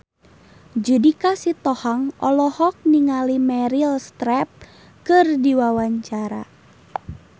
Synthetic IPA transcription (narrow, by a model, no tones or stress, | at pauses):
d͡ʒudikasit̪ɔhaŋʔɔlɔhɔk̚niŋalimɛɾilst̪ɾɛp̚ | kɨrdiwawaɲt͡ʃaɾa̰